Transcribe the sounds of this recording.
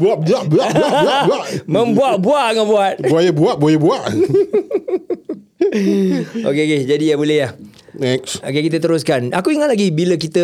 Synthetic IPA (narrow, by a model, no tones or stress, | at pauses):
buaʔ̚buaʔbuabuauaaʔmə̃mbuaʔ̚buaʔŋabuat̪̚buajəbuat̪̚buajəbuaʔ | o̰keoked͡ʒadijabolɛjah | nɛksok̬ekit̪̬ət̪əɾʊs̬kanakuiŋaʔlaɡibiləkit̪ə